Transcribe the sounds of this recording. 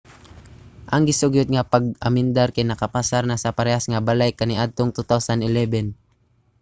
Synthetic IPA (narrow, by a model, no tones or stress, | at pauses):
ʔɐŋɡɪsʊɡʊd̪̚ŋapaɡ̚ʔamɪnd̪aɾkajnɐkɐpasaɾnasɐpɐɾɛasŋabalajkaniʔad̪̚t̪oŋt̪ut̪awsanɪlɛbɛn